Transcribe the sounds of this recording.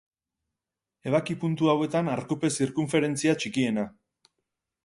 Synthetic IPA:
e̞β̞akipunt̪uawe̞t̪anaɾkupe̞siɾkuɱfe̞ɾe̞nt͡siat͡ʃikie̞na

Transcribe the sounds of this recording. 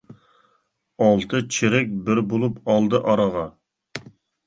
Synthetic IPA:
ɑlˠt̪ʰɨt͡ʃʰiɾɪk̚ʲbɪɾbolˠupɑlˠd̪ɨʔɑɾɑʁɑ

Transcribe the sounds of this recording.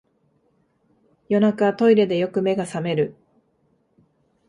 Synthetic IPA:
jo̞nakaat̪o̞iɾe̞d̪e̞jo̞kɯ̟me̞ɡasame̞ɾɯ̟

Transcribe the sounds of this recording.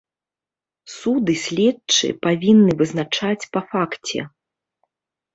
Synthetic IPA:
sud̪ɨsʲlʲɛtt͡ʂɨ̰pavʲinːɨvɨznat͡ʂat͡sʲpɐfakt͡sʲɛ̰

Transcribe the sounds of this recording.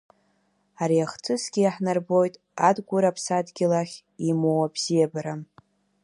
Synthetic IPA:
aɾijaχt͡sʰʼɨsɡʲɪjaħnarbo̞jtʼ | adɡʷʊɾapʰsadɡʲɪlaχʲ | imowabz̥ijabaɾam

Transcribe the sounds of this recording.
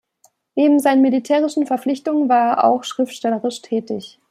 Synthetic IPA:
neːbm̩zaɪnənmelitʰɛːʁ̞ɪʃn̩fɛɐflɪçtʊŋənvaːɐeɐʔa̰ʊxʃʁ̥ɪftʃtɛləʁɪʃtʰɛːtɪç

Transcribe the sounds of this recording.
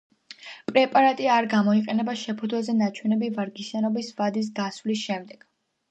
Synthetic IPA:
pʼɾɛpʼaɾat̪ʼiaɾɡamɔiqʼɛnɛbaʃɛpʰud̪zwazɛnat͡ʃʰwɛnɛbivaɾɡisanɔbisvad̪is̬ɡaswlisʃɛmd̪ɛɡ̥

